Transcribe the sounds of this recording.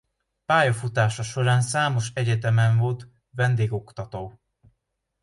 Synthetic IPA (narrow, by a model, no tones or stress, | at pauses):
paːjɒfut̪aːʃɒʃo̞ɾaːnsaːmo̞ʃɛɟɛt̪ɛmɛɱvo̞lt̪ | vɛnd̪eːɡo̞kt̪ɒt̪oː